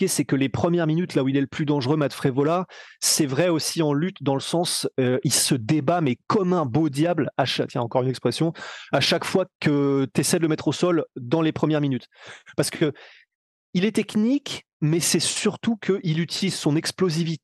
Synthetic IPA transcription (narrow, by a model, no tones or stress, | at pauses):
esɛkəlepχəmjɛʁminyt̪lauilɛləplyd̪ɑ̃ʒʁømat̪fχevolasɛvʁɛosiɑ̃lyt̪d̪ɑ̃ləsɑ̃søʔilsəd̪ebamɛkɔmɛ̃bod̪jablaʃat̪jɛ̃ɑ̃kɔʁynɛkspχɛsjɔ̃aʃakfwakət̪esɛd̪ələmɛt̪χosɔld̪ɑ̃lepχəmjɛʁminyt̪paʁsə̥kə | ilɛt̪ɛknik | mɛsɛsyʁt̪ukʰəʔilyt̪ʰilizsɔ̃nɛksplozivit̪